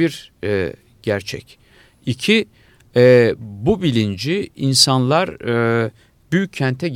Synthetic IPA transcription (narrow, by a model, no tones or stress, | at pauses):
iɾɛ | ɟ̥æɾt͡ʃʰɛ̰c | icʰi | ɛbubilʲind͡ʒiinsanlˠaɾ | byjyc̚ʰːɛnt̪ʰɛɟ